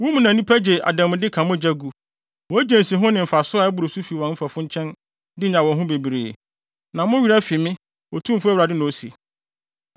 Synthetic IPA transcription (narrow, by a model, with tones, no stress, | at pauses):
wũ˦mũ˨nã˨nĩ˦pʰæ˦d͡ʑe˨a̰˨dã˨mʊ̃˨dɪ˦kʰã˨mʊ̃˦˨d͡ʑæ˦ɡu˨ | wɔ˨æ˦d͡ʑẽ˨n˨si˨ɦʊ̃˦nɪ̃˨m̩˨fa˨sʊ˦a˨˦ɛ˦bʊ˨ɾo˨su˦fi˨wɔ̃˨nm̩˦fa˨fʊ̃˦ɲ˦t͡ɕʰɛ̃˦n | dɪ˦ɲã˨wɔ̃˨ɦʊ̃˦be˨bi˨ɾe˨ḛ˨ | nã˨mʊ̃˦ɥi˨ɾa˦fi˨mɪ̃˦ | wɔ˨tʰũ˦m˨fʊ˦æ˦wɾa˨dɪ˦nʊ̃˨o˦sḭ˨